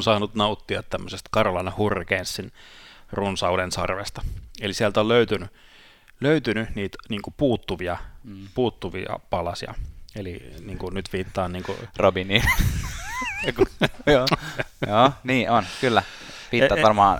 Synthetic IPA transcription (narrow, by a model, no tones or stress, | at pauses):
nsɑːnut̪nɑut̪ːiɑt̪t̪æmːøsest̪kɑrolɑnehurːkeːnst̪sinrunsɑulensɑrʋḛst̪ɑ̥elisiælt̪olløyt̪yny | løyt̪ynyniːt̪niːŋkupuːt̪ːuʋiɑpuːt̪ːuʋḭɑ̰pɑlɑsiɑ̰elḭniːŋkunyt̪ʋiːt̪ːɑːnniːŋkṵrobiniː | kjoːjoːniːonkylːæ | ʋiːt̪ɑːtʋɑrmɑː